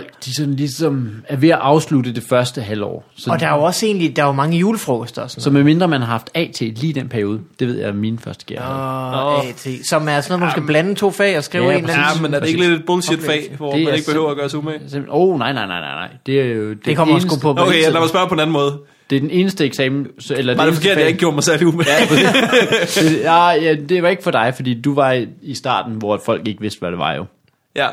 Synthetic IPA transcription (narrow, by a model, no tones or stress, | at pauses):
l̰ɡ̥d̥isɒ̽nlisɒ̽mæɐʋe̝æʔɑ̈ʊsludəd̥e̝fɶɐsd̥əɦælɒ̰ːsɒ̽ɒ̽d̥ɑ̈joɒ̽se̝ːnlid̥ɑ̈jomɑ̈ŋəjuːləfʁɔːɡ̥əsd̥ɐsɒnsɒ̽meme̝nd̥ʁɐmænhɑ̈hɑ̈fd̥ɛ̰ːt͡sʰe̝̰liːd̥en̰pʰæɐio̝ːð̞ˠəd̥eʋe̝ð̞̰jɑ̈ɪmiːnfɶɐsd̥əɡ̥ḭɐ | t͡sʰḛsɒ̽mæɐsɔnoːð̩ˠmænsɡ̥æb̥lænət͡sʰo̝̰ːfɛ̰ːɒ̽sɡ̥ʁḭʊḛːnmenæɐde̝e̝ɡəled̥ed̥̚b̥ɔlse̥fɛ̰ːʋɒe̝æne̝ɡ̥əb̥ehøʊ̰ɐːɡɶːɐsumeemoʊnɑ̈ɪ̰nɑ̈ɪnɑ̈ɪnɑ̈ɪnɑ̈ɪd̥e̝æjod̥ekɒmːsnɡuɔokʰelæmæsb̥ɶɐpʰɔ̽enæn̩mɔ̽ːð̞ˠ | d̥e̝d̥ene̝ːnəsd̥əeɡ̥sɛːml̩selɐdɑdefɔke̝ɐ̰jɑ̈ɪeɡ̥əɡjo̝ːɐmɑ̈ɪsæɐliumei̥ | eajæd̥e̝ʋɑ̈e̝ɡ̥ə̥fɒ̽d̥ɑ̈ɪfɒd̥ḭːd̥uʋɑ̈isd̥ɑ̰̈ːd̥n̩ʋɒfɒ̽l̰ɡ̥e̝ɡ̥əʋe̝sd̥ʋæɾ̥e̝ʋɑ̈jo̝ | jæ